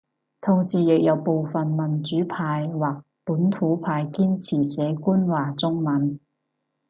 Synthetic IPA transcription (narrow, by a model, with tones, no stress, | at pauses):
t̪ʰʊ˨˩ŋsiː˨jɪ˨k̚jɐ˨˧wpo˨wfɐ˨nmɐ˨˩nt͡ʃyː˨˥pʰaː˧jwaː˨˩k̚puː˨˥nt̪ʰuː˨˥pʰaː˧jkiː˥nt͡sʰiː˨˩sɛː˨˧˥kuː˥nwaː˨t͡sʊ˥ŋmɐ˨˧˥n